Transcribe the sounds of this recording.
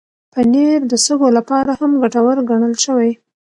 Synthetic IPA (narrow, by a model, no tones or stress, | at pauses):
pəneɾd̪əsəɡolapɑɾahamɡaʈawəɾɡaɳ̃əlʃəwaj